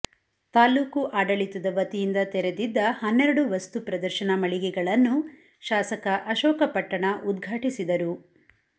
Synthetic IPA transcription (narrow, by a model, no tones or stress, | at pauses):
t̪aːluːkuʔaːɖɐɭit̪ud̪ɐʋɐt̪ijind̪ɐt̪ɛɾed̪id̪ːɐhɐnːɛɾɐɽuʋɐst̪upɾɐd̪ɐɾʃɐnɐmɐɭiɡɛɡɐɭɐnːu | ʃaːsɐkɐʔɐʃɔːkɐpɐʈːɐɳɐʔud̪ɡʱaːʈisid̪ɐɾu